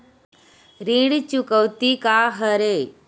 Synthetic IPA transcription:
ɾĩɽt͡ɕukəwt̪ikaɦəɾe

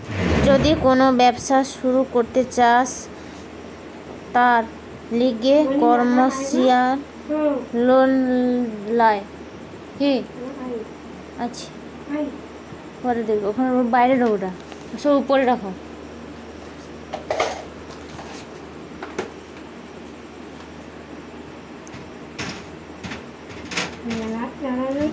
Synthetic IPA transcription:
d͡ʑod̪ikonobɛbʃaʃuɾukoɾt̪et͡ɕaʃ | t̪aɾ | liɡekɔɾmosial | lon | lae | ki | at͡ɕʰi̥ | kɔɾed̪iɡokʰonbajɾeɖɦoboʈa | sɔupoɾeɖakʰo

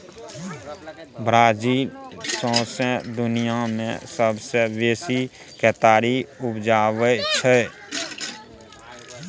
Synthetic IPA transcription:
bɾaːd͡ʒiːlsɔ̃ːsɛ̃d̪ʊnijamḛ̃səbsebeːsi | kɛt̪aːɾiʊpd͡ʒaːʋət͡ʃʰɛ

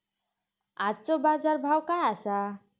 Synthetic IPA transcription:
at͡sobad͡zaɾbʱawkaasa

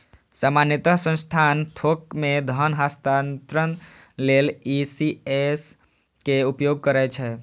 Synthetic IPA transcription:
samanjət̪əsə̃nst̪ʰaːnt̪ʰokmẽd̪ʱənɦast̪ant̪ɾən | lelisies | keupjoɡ̚kəɾɛt͡ʃʰɛ

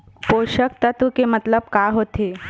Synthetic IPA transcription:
poʃəkt̪ət̪ukemət̪ləb̚kaɦot̪e

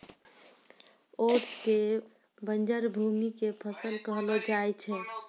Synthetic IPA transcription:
oːʈske | bənd͡ʒəɾbʱuːmikepʰəsəlkəɦlod͡ʒaːet͡ʃʰɛ

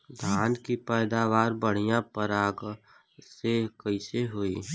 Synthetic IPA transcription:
d̪ʱaːnkipɛːd̪aːʋaːɾbəɽ̤ijãpəɾaːɡ | sekəɪseɦoːiː

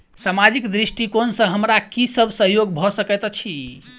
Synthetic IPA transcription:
samad͡ʒikd̪ɾisʈikonsə̃ɦəmɾakisəbʱsəɦjoɡbʱɔsəkɛt̪t͡ʃʰi

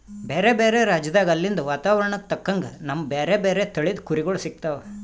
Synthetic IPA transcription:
beːɾebeːɾe̞ɾaːd͡ʒɐd̪aːɡɐlːind̪ɐʋaːt̪aːʋɐɾɐɳɐt̪ɐkːɐŋɡɐnɐmːɐbeːɾe̞ːbeːɾet̪ɐɭid̪kuɾiɡoɭsik̚t̪aːʋe

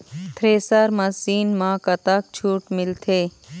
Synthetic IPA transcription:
t̪ʰɾeːsaɾmɐsiːnmãːkɐt̪aːk̚t͡ʃʰuːʈmɪlt̪ʰeː

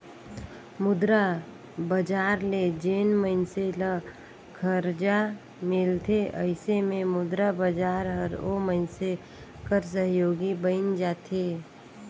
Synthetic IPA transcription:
mʊd̪ɾa | bəd͡ʒaːɾled͡ʒeːnməɪnselə | kʰəɾd͡ʒa | mɪlt̪ʰeʔəɪsemẽmʊd̪ɾabəd͡ʒaːɾɦəɾoməɪnse | kəɾs̬əɦjoːɡibəɪnd͡ʒaːt̪ʰe

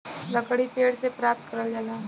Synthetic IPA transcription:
lɐkɽipeːɽsepɾaːp̚t̪̚kəɾəld͡ʒaːlaː

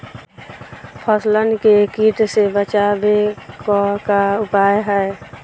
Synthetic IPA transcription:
pʰəslənkekiːʈsebət͡ʃabekɔkaʊpaːjɦɛe

